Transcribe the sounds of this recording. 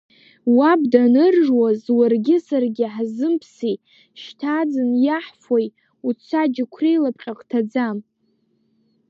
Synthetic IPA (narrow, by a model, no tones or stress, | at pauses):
wabdanɨrʒwazwarɡʲɪsarɡʲɪħzɨmpʰsi | ʃtʰad͡zɨnjaħfoj | ut͡sʷʰad͡ʒɪkʷʰrejlapʼqʲʼaqʼtʰad͡zam